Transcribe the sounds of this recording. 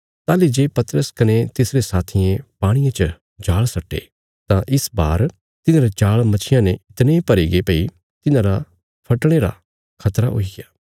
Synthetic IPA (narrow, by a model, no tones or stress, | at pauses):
t̪aːlid͡ʒeːpɐt̪ɾəskɐnet̪ɪsɾesaːt̪ʰɪẽpaːɽ̃ɪjãt͡ʃə | d͡ʒaːɭsɐʈːḛː | t̪ãʔɪsbaːɾ | t̪ɪnãɾad͡ʒaːɭmɐt͡ʃʰɪjãneɪt̪neipɐɾiɡepɐi | t̪ɪnãɾa | pʰɐʈɽ̃eɾa̰ | kʰɐt̪ɾa̰ɦo̰iɡɪjaː